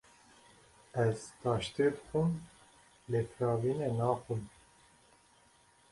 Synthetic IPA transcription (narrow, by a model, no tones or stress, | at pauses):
ɛz̥t̪ɑːʃt̪ed̪ɨxum | leːpʰɾɑːviːnɛnɑːxum